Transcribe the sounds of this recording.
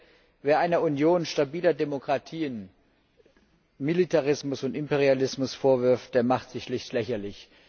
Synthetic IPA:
veːɐʔaɪnɐunjoːnʃtabiːlɐdemokʁ̥atʰiːən | militʰaʁɪsmʊsʊntɪmpeʁ̞ialɪsmʊsfoːɐvɪɐft̚d̥eːɐmaχtz̥ɪçʃlɪçtlɛçɐlɪç

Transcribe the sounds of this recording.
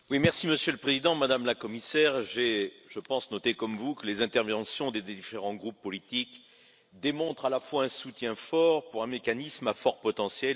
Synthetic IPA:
wimɛʁsiməsjøləpχezid̪ɑ̃mad̪amlakɔmisɛʁʒeʒəpɑ̃snɔt̪ekɔmvukəlezɛ̃t̪ɛʁvɑ̃sjɔ̃d̪ed̪iifeʁɑ̃ɡʁupːɔlit̪ik | d̪emɔ̃t̪χalafwaɛ̃sut̪jɛ̃fɔʁpuʁɛ̃mekanismafɔʁpɔt̪ɑ̃sjɛ

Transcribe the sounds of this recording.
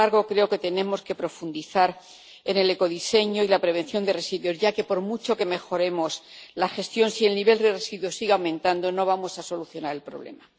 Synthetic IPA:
aɾɣo̞kɾe̞oke̞t̪e̞nẽ̞mo̞ske̞pɾo̞fund̪iθaɾ | e̞ne̞le̞ko̞ðise̞ɲoilapɾe̞β̞ẽ̞n̟θjo̞nd̪e̞re̞siðjo̞szʝake̞po̞ɾmut͡ʃo̞ke̞me̞xo̞ɾe̞mo̞slaxe̞st̪jo̞nsie̞lniβe̞ld̪e̞re̞siðwosiɣeawmẽ̞nt̪and̪o̞no̞β̞amo̞saso̞luθjo̞naɾe̞lpɾo̞β̞le̞̰ma

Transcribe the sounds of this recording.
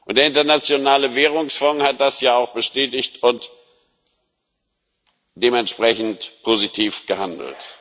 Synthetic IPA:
ʔʊnd̥eːɐɪntɐnat͡sjonaːləveːʁ̞ʊŋsfɔŋhat̚d̥asjaːaʊxb̥əʃtɛːtɪçtʊnt | d̥eːmɛntʃpʁ̥ɛçn̩tpʰozitʰiːfɡ̥əhandl̩t

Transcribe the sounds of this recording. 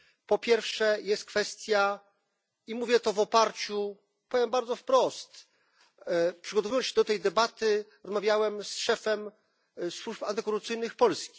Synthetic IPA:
pɔpʲjɛɾfʂɛjɛst̪̚kfɛst̪ʲja | imuvʲjɛt̪ɔvɔpaɾt͡ɕu | pɔvʲjɛmbaɾd̪zɔfpɾɔst̪ | pʂɘɡɔt̪ɔvujɔnsɕɛd̪ɔt̪ɛjd̪ɛbat̪ɘɾɔzmavʲjawɛmsʂɛfɛm | swupant̪ɛkɔɾut̪sɘjnɘxpɔlskʲi

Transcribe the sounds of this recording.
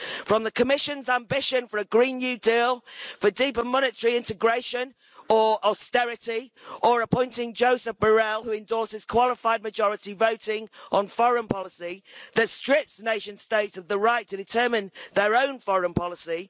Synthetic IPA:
fɹə̃mðəkʰəmɪʃə̃nzãmbɪʃə̃nfəɹəɡɹĩːnjʉːdiːlˠfədiˑpəmɒñɪtəɹiɪ̃ntɪɡɹeɪʃə̃n | əɹɔstɛɹɪtiʔəɹəpʰɔ̃ɪ̃ntɪ̃ŋd͡ʒoʊsəfb̥əɹɛlˠhuɪ̃ndɔˑsɪz̥kʰw̥ɒlˠɪfaɪd̚məd͡ʒɒɹɪtivoʊtɪ̃ŋʔə̃nfɒɹə̃npʰɒlɪsiðətstɹ̥ɪpsneɪʃə̃nsteɪtsəvðəɹaɪtʰədɪtʰɜːmɪ̃nðəɹõʊ̃nfɒɹə̃npʰɒlɪsi

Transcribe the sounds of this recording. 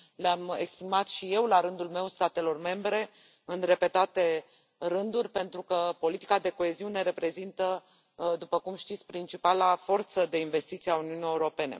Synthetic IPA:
leame̞̰kspɾimat̪ʃije̞wlaɾɨnd̪ulme̞wst̪at̪e̞lo̞rme̞mbɾe̞ | ɨnre̞pe̞t̪at̪e̞ | ɾɨnd̪urʲpe̞nt̪ɾukəpo̞lit̪i̥kad̪e̞ko̞e̞ziune̞ɾe̞pɾe̞zint̪ə | d̪upəkumʃt̪it̪sʲpɾint͡ʃipalafo̞rt̪səd̪e̞inve̞st̪it̪siauniunije̞uɾo̞pe̞ne̞̰

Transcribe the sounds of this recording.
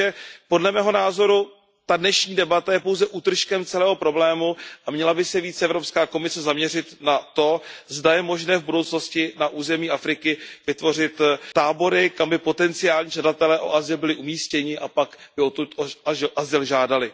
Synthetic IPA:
ɛpo̞dlɛmɛːɦo̞naːzo̞ɾu | t̪adnɛʃɲiːdɛbat̪ajɛpo̞wzɛʔuːt̪r̩ʃkɛmt͡sɛlɛːɦo̞pɾo̞blɛːmuʔamɲɛlabɪsɛviːt͡sɛʔɛvɾopskaːko̞mɪsɛzamɲɛrɪt̪nat̪o̞zdajɛmo̞ʒnɛːvbudo̞wt͡sno̞scɪnaʔuːzɛmiːʔafɾɪkɪvɪt̪vo̞r̝ɪt̪t̪aːbo̞ɾɪkambɪpo̞t̪ɛnt͡sɪaːlɲiːʒadat̪ɛlɛːʔo̰ʔazɪlbɪlɪʔumiːscɛɲɪʔapakbɪot̪ut̪ʔazɪlʒaːdalɪ

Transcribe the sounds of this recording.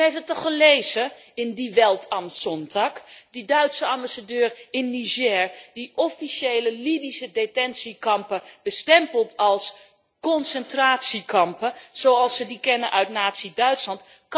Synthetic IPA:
ejfətɔχəlejzə | ɪndiʋɛlˠtʰɑmsɔntɑkdidœɥtsəɑmbasadøːrɪnːiʒɛːɹd̥iʔɔfiʃejləlibisədetɛnsikɑmpəb̥əstɛmpəlˠtʰɑlˠs | kɔnsɛntraːtsikɑmpəz̥owɑlˠsʋədikɛnənʔœɥtnaːtsidœɥtslɑntk

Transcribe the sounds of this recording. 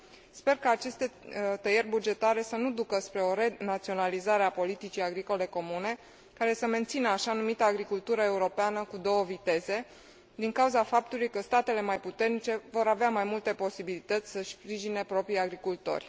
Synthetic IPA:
spe̞rkaːt͡ʃe̞st̪e̞t̪əjerʲbud͡ʒe̞t̪aɾe̞sənud̪ukəspɾe̞o̞ɾenat̪sio̞nalizaɾe̞apo̞lit̪it͡ʃijaɡɾiko̞le̞ko̞mune̞ | kaɾe̞səme̞nt̪sinəaʃanumit̪əːɡɾikult̪uɾəe̞uɾo̞peanəkud̪o̞wəvit̪e̞ze̞ | d̪iŋkauzafap̚t̪ulujkəst̪at̪e̞le̞majput̪e̞rnit͡ʃe̞vo̞ɾaveamajmult̪e̞po̞sibilit̪ət̪sʲsəʃpɾiʒine̞pɾo̞pɾijaɡɾikult̪o̞̰rʲ

